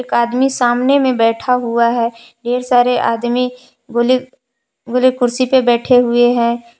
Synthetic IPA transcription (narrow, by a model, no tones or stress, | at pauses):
eːkaːd̪misaːmnemẽbɛːʈʰaɦʊaɦɛː | ɖeːɾsaːɾeʔaːd̪mi | ɡle | ɡʊlekʊɾsipebɛːʈʰeɦʊeɦɛ̃ː